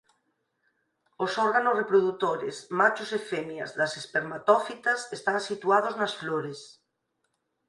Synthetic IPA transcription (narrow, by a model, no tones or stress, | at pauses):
osɔɾɣanosrepɾoðut̪oɾḛsmat͡ʃosefemjazðasespeɾmat̪ɔfit̪asest̪aŋsit̪uað̞oznasfloɾes